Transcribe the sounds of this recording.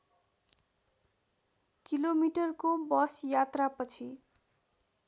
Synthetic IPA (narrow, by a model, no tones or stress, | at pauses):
kilomiʈʌrkobʌsjat̪rapʌt͡sʰi